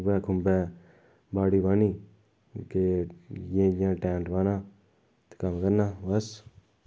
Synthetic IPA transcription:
bɛːkʰʊmbɛː | baːɽiːbaːniː | kejẽːãːʈɛːnʈbaːnãː | t̪e̥kəmkəɾnaːbəs

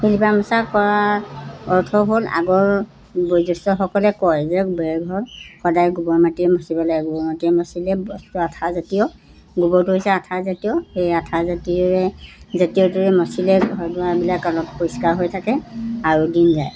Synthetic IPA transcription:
hilipamɔsakɔɹa | ɔɹtʰɔɦola̰ɡɔɹ | bojzɔstɔxɔkɔlɛkɔjzɛbɛɹɛɡʱɔɹxɔdajɡubɔɹmatiɛmɔsibalaɡɛɡubɔɹmatiɛmɔsilɛbɔstɔatʰazatijɔ | ɡubɔt̬uɦojsɛatʰazatijɔhejatʰazatiɔɹɛzatijɔtuɹɛmɔsilɛɡʱɔɹdʊwaɹbilakalɔpoɹiskaɹɦojtʰakɛaɹudinzaj

